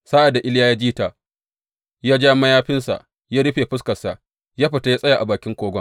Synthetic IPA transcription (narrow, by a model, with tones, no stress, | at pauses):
saː˦ʔa˨da˨ʔɪ˦ljaː˦jaː˦d͡ʒiː˦ta˨ | jaː˦d͡ʒaː˦mɐ˦jaː˦ɸɪ˦nsa̰˨ʔ | jaː˦ɽɪ˦ɸeː˨ɸɪ˦skɐ˨sa˨ʔ | jaː˦ɸɪ˨ta˦jaː˦sʼɐ˦ja˨ʔa˨baː˨kʲɪ˦ŋkʷoː˦ɡʷɐ˦